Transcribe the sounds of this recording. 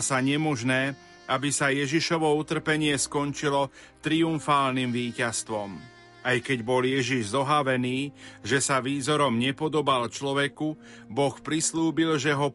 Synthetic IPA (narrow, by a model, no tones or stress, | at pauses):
saɲɛmɔʒnɛː | abisajɛʒiʃɔʋɔut̪r̩pɛɲɪɛskɔɲt͡ʃilɔ | t̪ɾiuɱfaːlnimʋiːcast̪ʋɔm | ajkɛɟbɔljɛʒiʒzɔɦaʋɛniːʒɛsaʋiːzɔɾɔmɲɛpɔd̪ɔbalt͡ʃlɔʋɛku | bɔxpɾisluːbilʒɛɦɔ